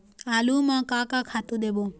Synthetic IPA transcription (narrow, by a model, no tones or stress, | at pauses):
alumãkakakʰat̪ũd̪ebo